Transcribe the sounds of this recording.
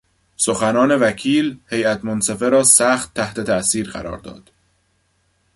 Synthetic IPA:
so̞xænɒːne̞væcʰiːlhe̞jæt̪monsefe̞ɾɒːsæːxt̪ʰːæht̪e̞t̪ʰæʔsiːɾɢæ̰ɾɒ̰ːɾd̪ɒ̰ːd̪̥

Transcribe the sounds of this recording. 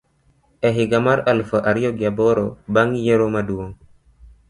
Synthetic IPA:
eɦiɡamaɾalfəʔaɾoɡjaboɾobaŋjeɾomaduwoŋ

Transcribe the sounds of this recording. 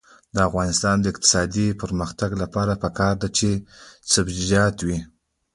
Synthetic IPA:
d̪əafɣɑnɪst̪ɑnd̪əɪq̚t̪ɪ̥sɑd̪ipəɾməxt̪aɡlapɑɾapəkɑɾd̪at͡ʃesəbd͡ʒizjɑt̪wi

